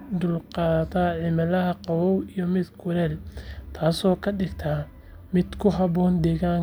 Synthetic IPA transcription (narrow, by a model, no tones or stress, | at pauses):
d̪ʊlqɑːðɐt̪ʰaːʕɪmɐlɐɦɐqɑwɔwijɔmɪd̪kʰʊɾɛːlt̪ʰaːsɔːkʰɐɖɪɡt̪ʰɐ | mɪd̪̥kʰʊɦɑβɔːnd̪ɛːɣaːŋ